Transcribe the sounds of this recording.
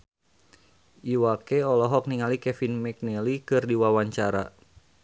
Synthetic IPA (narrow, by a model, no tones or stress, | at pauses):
ʔiwakeɔlɔɦɔk̚niŋalikɛfinmɛk̚nɛlikɨrdiwawaɲt͡ʃaɾa̰